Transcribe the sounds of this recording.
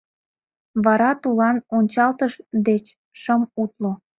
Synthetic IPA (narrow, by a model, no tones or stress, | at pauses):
βɑɾɑt̪ulɑnonʲt͡ɕɑlt̪əʃd̪et͡ɕ | ʃəmut̪lo